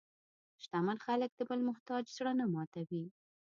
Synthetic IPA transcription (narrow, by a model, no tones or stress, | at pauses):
ʃt̪amanxalək̚d̪̥əbəlmʊht̪ɑd͡ʒzɽanamɑt̪awi